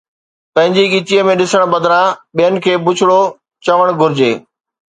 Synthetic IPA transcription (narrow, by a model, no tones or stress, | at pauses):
pɐ̃ɦɪ̃ɲd͡ʑiɠiːtiəmẽɗɪsəɽ̃bɐd̪ʱɾãɓijənɪ̆kʰeːbʊt͡ɕʰɪɽo | t͡ɕɐʋəɽ̃ɡʱʊɾɪd͡ʑeː